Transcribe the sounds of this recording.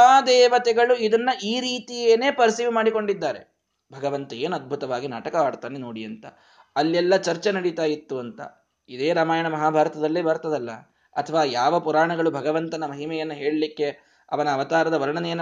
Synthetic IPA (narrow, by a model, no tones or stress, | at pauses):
aːd̪ɛːʋɐt̪ɛɡɐɭuid̪ɐnːɐʔiːɾiːt̪ijeːne̞ːpɐɾsiːʋmaːɽiko̞ɳɖid̪ːaːɾe̞̰ | bʱɐɡɐʋɐnt̪ɐjeːnɐd̪̚bʱut̪ɐʋaːɡina̰ːʈɐkɐaːɽt̪aːneno̞ːɽiɐnt̪ɐ | ɐlːɛlːɐt͡ʃɐɾt͡ʃenɐɽit̪aːjit̪ːuɐnt̪ɐ̰ | id̪eːɾaːmaːjɐɳɐmɐɦaːbʱaːɾɐt̪ɐd̪ɐlːeːbɐɾt̪ɐd̪ɐlːɐ̰ | ɐ̰t̪ʰɐʋaːjaːʋɐpuɾaːɳɐɡɐɭubʱɐɡɐʋɐnt̪ɐnɐmɐɦimɛjɐnːuɦe̞ːɭɐlikːe̞ | ɐ̰ʋɐnɐːʋɐt̪aːɾɐd̪ɐʋɐɾɐɳɐnɛjɐnː